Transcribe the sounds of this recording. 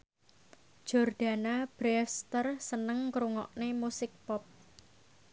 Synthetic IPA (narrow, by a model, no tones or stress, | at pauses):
d͡ʒ̥ɔrɖ̪̥a̤nab̥ɾɛst̪ərsənəŋkɾuŋɔ̰ʔnemusɪk̚pɔp̚